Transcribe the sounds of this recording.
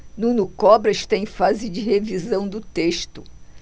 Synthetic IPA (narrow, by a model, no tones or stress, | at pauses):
nũnʊkɔbɾɐiʃt̪ãẽj̃fazɪd͡ʒɪhevizɐ̃w̃d̪ʊt̪eʃt̪ʊ